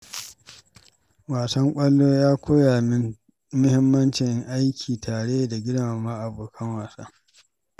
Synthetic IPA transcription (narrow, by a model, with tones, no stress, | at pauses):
waː˨sɐ˦ŋkʷʼɐ˦lːoː˦jaː˦kʷoː˦jaː˨mɪ˦n | mʊ˦hɪ˦mːɐ˦nt͡ʃɪ˨ŋʔa˦jkʲʰiː˨tʰaː˨ɽe˦ja˨da˨ɡʲɪ˦ɽmaː˨ma˦ʔa˨boː˨kʰɐ˦ŋwaː˨sa̰˦